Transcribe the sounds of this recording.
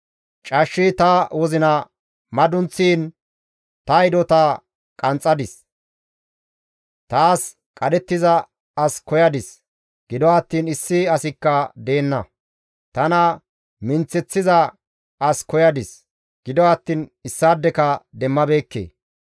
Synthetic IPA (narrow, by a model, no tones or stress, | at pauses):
t͡ʃʼɐʃːit̪ɐwɔzɪnɐ | mɐd̪ʊnt͡sːiːn | t̪ɐjd̪ɔt̪ɐ | kʼɐnt͡sʼːɐd̪ɪs | t̪aːs | kʼɐd̪ɛt̪ːɪzɐ | ɐskɔjɐd̪ɪs | ɡ̥ɪd̪ɔɐt̪ːiːnɪsːɪɐsɪkːɐd̪e̞ːnːɐ | t̪ɐnɐ | mɪnt͡sːɛt͡sːɪzɐ | ɐskɔjɐd̪ɪs | ɡ̥ɪd̪ɔɐt̪ːiːnɪsːaːd̪ːɛkɐd̪ɛmːɐbe̞ːkːḛː